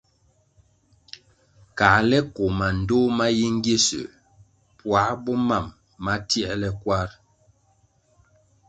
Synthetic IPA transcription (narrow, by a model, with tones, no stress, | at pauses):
ka˨lɛ˦ko˨ma˨n̩˨do˦ma˦ji˦ŋ˦ɡje˦sə̰˨ | pwa˨˦bɔ˦ma˦˨mː | a˦ti˦ɛ˦ʔlɛ˦kwa˦ɾ